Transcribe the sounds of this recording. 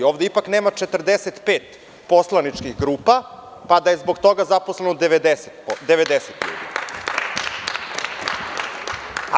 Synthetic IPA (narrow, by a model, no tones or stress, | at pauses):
oːʋd̪eipakneːmat͡ʂet̪r̩d̪eset̪peːt̪ | po̞slˠanit͡ʂkiɣɡɾuːpa | pad̪aje̞zboɡt̪o̞ɡazaposlenod̪eʋed̪eset̪d̪eʋed̪eset̪ʎṵːd̪ḭ